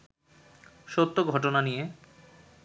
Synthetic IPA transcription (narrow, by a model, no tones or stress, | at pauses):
ʃot̪ːoɡʱɔʈonanije